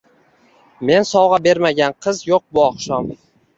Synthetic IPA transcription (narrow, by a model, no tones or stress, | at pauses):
me̞nsɒwʁɑbe̞ɾmaɡʲanqʰɨzjoq̚bʊɒqʃɒm